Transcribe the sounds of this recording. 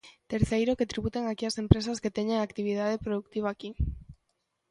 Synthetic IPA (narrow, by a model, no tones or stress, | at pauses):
t̪eɾθejɾoket̪ɾiβut̪eŋakiasempɾes̬asket̪eɲeŋakt̪iβ̞ið̞aðepɾoðuk̚t̪iβaːki